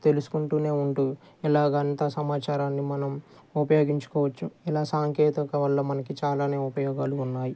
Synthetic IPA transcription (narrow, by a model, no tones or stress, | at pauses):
t̪e̞lusu̥kuɳʈuːne̞ːuɳʈu | ilaːɡɐɐnt̪ɐsɐmaːt͡ʃaːɾaːnːimɐnɐm | upɐjoːɡiɲt͡ʃu̥kɔːʋɐt͡ʃːuilaːsaːŋkeːt̪ɐkɐʋɐlːɐmɐnɐkit͡ʃaːlaːne̞ːupɐjɔːɡaːluːnːaːji